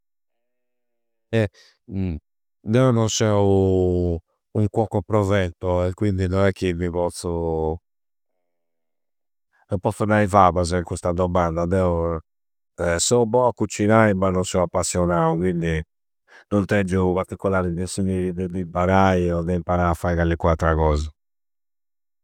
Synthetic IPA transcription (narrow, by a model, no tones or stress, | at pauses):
ɛ | d̪ɛɔnɔnsɛu | uŋkwɔkːɔpɾɔvɛnt̪ɔɛkːwind̪inɔnɛkːimiβɔt̪sɔ | ɛpɔt̪sːɔnaivaβaz̬ɛkust̪ad̪ɔmand̪ad̪ɛɔ | ɛsɔubɔakːut͡ʃːinaibanɔnsɔapːasːjɔnauɣwind̪i | nɔnt̪ɛd͡ʒːupaɾt̪ikːɔlaːɾid̪ɛsunid̪ɛd̪impaɾajɔd̪ɛimpaɾaafːajɣalːikwat̪ːɾaɣɔːza